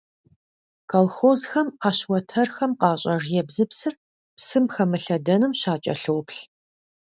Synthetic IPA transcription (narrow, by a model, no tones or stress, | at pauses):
kʰɐlxozxɐmaːɕwɐtʰɐrxɐmqɑːɕʼɐʐjɛbzɨpsɨr | psɨmxɐmɨɬɐdɐnɨmɕaːt͡ʃʼɐ̰ɬɨwpɬ